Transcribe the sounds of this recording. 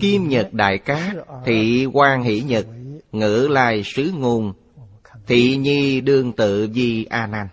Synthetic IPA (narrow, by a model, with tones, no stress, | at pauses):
ki˧mɲə˨˩t̚ɗa̰ː˧˨jkaː˨˦˥t̪ʰi˧˨kwaː˧ŋɦḭ˧˥ɲə˨˩t̚ŋɨ̰˧˥la̰ː˧˨jsɨ˨˦ŋu˨˩n | t̪ʰḭ˧˨ɲi˧ɗɨ˧əŋt̪ɨ̰˧˨vi˧ʔaː˧naː˧n